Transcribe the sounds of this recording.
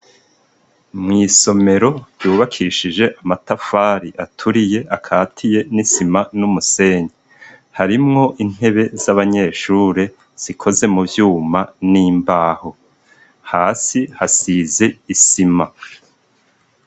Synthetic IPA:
mŋiːso̞me̞ɾo̞juːβakʰiʃid͡ʒe̞ʔamatafaːɾiʔatʰuɾije̞ʔakʰaːtʰije̞nisimanumuse̞ːɲe | haɾimŋo̞ʔin̥he̞βe̞zaβaɲe̞ːʃuːɾe | z̥ikʰo̞ze̞muvjuːmaniːmbaːho̞ | haːsihasize̞isima

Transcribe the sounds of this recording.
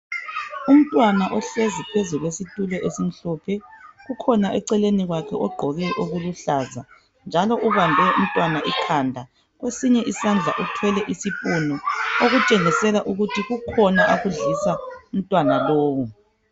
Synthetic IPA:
um̩tʼwanaʔɔɬezipʰezuɣwesitʼulɔʔesim̩ɬɔpʰɛɣukʰɔnaʔɛǀɛleniɣwakʰɛʔɔɡ͡ǃʱɔɣɛʔoɣuluɬaːza̰ | nd͡ʒʱalɔʔuβambʱɛum̩tʼwanaʔikʰandʱa | ɣwesiɲɛʔisand͡ɮʱa̰ʔutʰwɛlɛʔisipʼunɔoɣut͡ʃʼeŋisɛlaʔuɣutʰiɣukʰɔnaʔaɣuɮisaum̩tʼwanaloːwu

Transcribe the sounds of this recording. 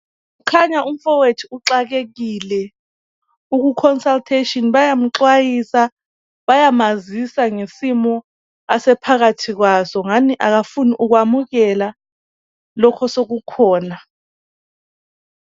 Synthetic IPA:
kukʰaɲaum̩fɔwetʰiuǁak̬ek̬iːlɛ | uk̬ukʰɔnsaltʰeʃɔnɓajam̩ǁwajisa | ɓajamazisaŋesimɔ | asɛpʰak̬atʰik̬wasɔŋaniʔak̬afuniʔuk̬wamuk̬ɛla | lɔkʰɔsok̬ukʰɔːna

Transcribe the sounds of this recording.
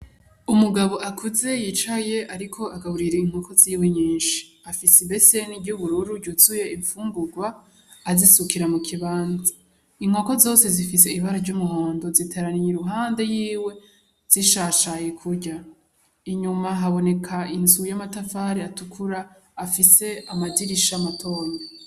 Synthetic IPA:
umuɡaβo̞ʔakʰuze̞jit͡ʃaje̞aɾikʰo̞aɡaβuɾiɾeiŋ̥ho̞ko̞ziːwe̞ɲĩːnʃi̥ | afisiβbe̞se̞nibɟuβuɾuɾuɟuzuje̞ʔiɱfuːmbuɡwaː | zisukiɾamukʰiβaːnza | iŋ̥ho̞ːko̞zo̞ːse̞zifise̞iβaɾaɾɟumuɦoːndo̞zitʰaɾaniɲiɾuɦaːnde̞jiːwe̞ | z̥iʃaːʃajekʰuɾɟa | iɲumaɦaβo̞ne̞kʰainzujamatafaːɾeatukʰuɾaː | fise̞amaziɾiʃamatʰo̞ːno

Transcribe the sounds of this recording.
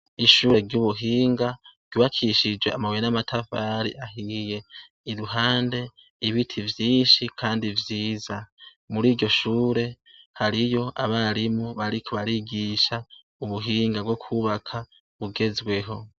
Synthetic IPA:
iʃuːɾe̞ɾɟuβuɦiːŋɡḁɟjuːβakʰiʃid͡ʒweamawenamatʰafaɾḭʔahije̞ | iɾuɦaːnde̞ | iβitʰivjiːʃikʰaːndivjiːza | muɾiːɾɟo̞ʃuːɾe̞ | haɾijo̞ʔaβaɾimuβaɾikʰoβaɾiɡiːʃa | uβuɦiːŋɡabɡo̞kʰuβakʰa | βuɡe̞zɡwe̞ɦo̞

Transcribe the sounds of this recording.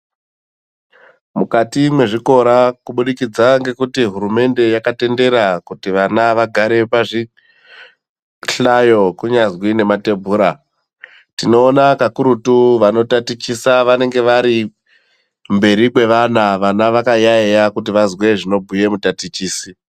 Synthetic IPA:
mukatimwe̞ʐiko̞ɾakuɓuɗikid͡zaŋɡe̞kutiɦuɾume̞nde̞jakate̞nde̞ɾakutiʋanaʋaɡʱaɾe̞paʐi | ɬajo̞kuɲazwine̞mate̞bʱuːɾa | tino̞ːnakakuɾutuʋano̞tatit͡ʃisaʋane̞ŋɡe̞ʋaɾi | mbe̞ɾikwe̞ʋanaʋanaʋakajaejakutiʋazwe̞ʐino̞bʱuje̞mutatit͡ʃiːsi

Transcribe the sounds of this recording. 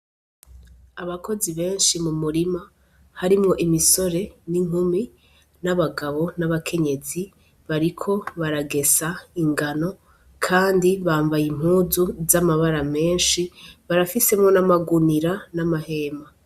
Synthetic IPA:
aβako̞ziβe̞ːnʃimumuɾima | haɾimŋo̞ʔimiso̞ɾe̞niŋ̥umi | naβaɡaβo̞naβakʰe̞ɲe̞zi | βaɾikʰo̞βaɾaɡe̞saiŋɡano̞ | kʰaːndiβaːɱvajim̥huːzuzamaβaɾame̞ːnʃiβaɾafise̞mŋo̞namaɡuniɾanamahe̞ːma

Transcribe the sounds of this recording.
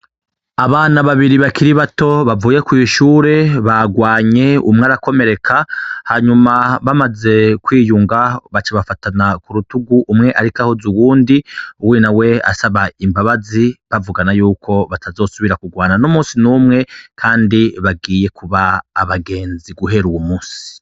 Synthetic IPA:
aβaːnaβaβiɾiβakiɾiβato̞βavuːje̞kujiʃuːɾe̞βaɡwaːɲe̞ṵmŋeaɾako̞me̞ɾe̞kʰahaɲumaβamaze̞kwiːjuŋɡaβat͡ʃaβafatanakuɾutuɡuʔːmŋe̞ʔaɾikahozuwuːndiuwinawe̞a̰saβaimbaβaziβavuɡanajuːkʰo̞βatazo̞ːsuβiɾakuɡwaːnanomuːnsinumŋe̞kʰaːndiβaɡiːje̞kuβaːβaɡe̞ːnziɡuɦe̞ɾuwumuːnsi̥

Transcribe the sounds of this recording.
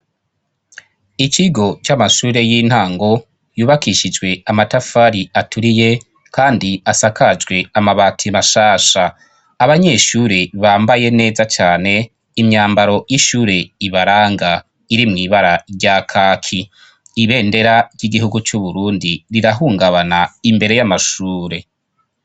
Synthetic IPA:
it͡ʃiɡo̞t͡ʃamaʃuːɾe̞jiːn̥haːŋɡo̞ | juːβakiʃid͡ʒɡwe̞amatafaɾiatʰuɾije̞ | kʰaːndiasakad͡ʒɡwe̞amaβaːtʰimaʃaːʃaː | βaɲe̞ʃuːɾeβaːmbaje̞ne̞ːzat͡ʃaːne̞ | imɲaːmbaɾo̞jiʃuːɾe̞iβaɾaːŋɡa | iɾimŋiːβaɾaɾɟakʰaːkʰiː | βe̞ːnde̞ɾaɾɟiɡiɦuɡut͡ʃuβuɾuːndiɾiɾaɦuːŋɡaβanaimbe̞ɾe̞jamaʃuːɾe̞

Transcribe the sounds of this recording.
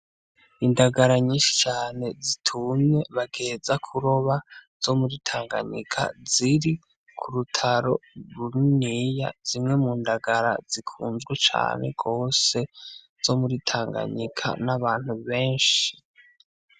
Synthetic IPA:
indaɡaɾaɲiːʃi̥t͡ʃaːne̞zitʰumɲe̞βaɡe̞ːzakʰuɾoβaz̥o̞muɾitʰaːŋɡa̰ɲḭkʰa̰ziɾi | kʰuɾutʰaɾo̞ɾunija̰z̥imŋe̞muːndaɡaɾa̰zikʰuːnzɡwet͡ʃa̰ːne̞̰ɡo̞ːse̞ | z̥o̞muɾitʰaːŋɡa̰ɲikʰa̰naβaːn̥huβe̞ːnʃi

